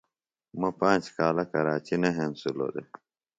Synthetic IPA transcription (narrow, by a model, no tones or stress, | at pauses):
mɐpãːnt͡ʃkaːlɐkɐɾaːt͡ɕinɐɦensulo̰d̪e